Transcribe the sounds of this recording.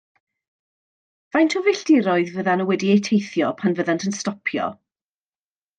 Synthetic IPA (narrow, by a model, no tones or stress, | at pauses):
vajntʰɔvɪɬd̥ɪɾɔɨðvəðanəwɛdiejtʰejθjɔpʰanvəðantʰənstɔpʰjɔ̰